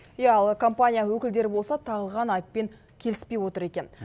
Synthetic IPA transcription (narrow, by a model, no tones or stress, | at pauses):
jɑɑlˠkʰo̞mpanʲijawɵkʲɪld̪e̞ɾɪbo̞lˠsɑt̪ʰɑʁəlˠʁɑnɑjpːe̞ŋ | kʲʰe̞lɪspe̞jwo̞t̪əɾe̞kʲe̞n